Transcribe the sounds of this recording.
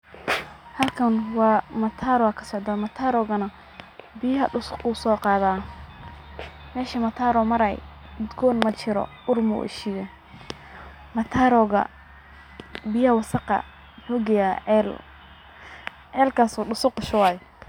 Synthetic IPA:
hɐlkʰɐnwɑːmɐt̪ʰaːɾwaːkʰɐ̥sɔʕd̪aːmɐt̪ʰaːɾɔːɣɐnɐ | bɪjɐɦɐɖʊsʊquːsɔːqɑːðaː | mɛːʃɐmɐt̪ʰaːɾɔmɐɾɐj | mɪd̪ɡɔːnmɐt͡ʃɪɾɔ̰ | ʊrmʊ̰ʔɪ̰ʃɪjɐ | mɐt̪ʰaːɾɔːɣɐ̰ | bɪjɐhɐwɑsɑqɑ̰ | mʊħuːɡɛjaʕɛl | ʕɛːlkʰaːsuːɖʊsʊqʊʃʊwɑːj

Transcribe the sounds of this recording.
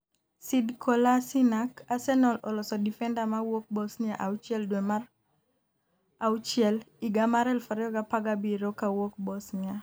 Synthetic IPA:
sidkʰolasinakasɛnɔlɔlɔsɔdifɛndamawok̚bɔsniaʔaut͡ʃjɛldwemar | awut͡ʃɛliɡamaɾɛlfaɾɛɔɡapaɡabiɾokawok̚bɔsnɪa

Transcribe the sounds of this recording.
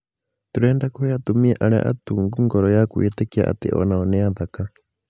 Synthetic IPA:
t̪uɾɛːndakɔjat̪umiɛʔaɾɛ̰ʔa̰tuŋɡuŋɡɔɾɔjakuitɛkia̰ʔa̰t̪ɪ̰ʔɔ̰naɔnɛaðaka

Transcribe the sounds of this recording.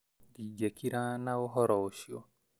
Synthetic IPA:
did͡ʒɛkiɾanaɔɦɔɾɔʃiɔ̰

